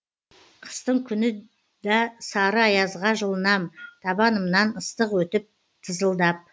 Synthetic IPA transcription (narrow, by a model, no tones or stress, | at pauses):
qʰə̥st̪əɴkʲʰʏnɪ | d̪ɑsɑɾəɑjɑzʁɑʒəlˠənɑmt̪ʰɑbɑnəmnɑnəst̪əqwɵt̪ɪp̚ | t̪ʰəzəlˠd̪ɑp̚